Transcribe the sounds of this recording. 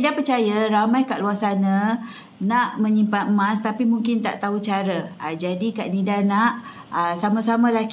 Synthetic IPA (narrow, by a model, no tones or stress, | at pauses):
idapət͡ʃajaɾamãjkaʔluasanã | naʔmə̃ɲimpanmãst̪apimuŋkɪnt̪a̰ʔt̪aut͡ʃaɾəad͡ʒadikaʔnidanaʔ | əsamãsamãlak